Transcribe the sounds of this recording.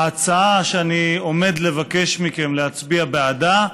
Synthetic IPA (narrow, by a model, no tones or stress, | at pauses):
at͡saaʃeanio̞me̞dle̞vake̞ʃmike̞mleɦat͡sbiabeada